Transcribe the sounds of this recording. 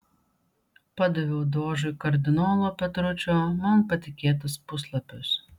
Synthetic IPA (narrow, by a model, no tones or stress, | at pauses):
pɑd̪ɐʋʲɛʊd̪oːʒʊkɐɾʲd̪ʲɪnoːlˠoːpʲɛt̪ɾʊt͡ʃʲoːmɐmpɐt̪ʲɪkʲeːt̪̬ɐspʊslˠɐpʲʊs